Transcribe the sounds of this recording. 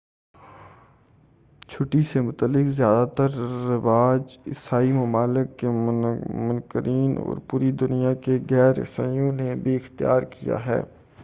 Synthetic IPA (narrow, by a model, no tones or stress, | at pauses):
t͡ʃʰʊʈisemʊt̪əlːɪkzjaːd̪at̪əɾːɪʋaːd͡ʒɪ̰saːimɐmaːlɪkːemʊnkəɾiːnɔ̰ːɾpuːɾid̪ʊnijakeɣɛːɾɪ̰sa̰ːjõnebʱiɪxt̪ija̰ːɾkija̰ɦɛ̰ː